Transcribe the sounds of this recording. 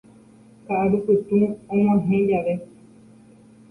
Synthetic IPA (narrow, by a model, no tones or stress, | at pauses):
kaaɾupɨt̪ũõmãɦẽd͡ʒaʋe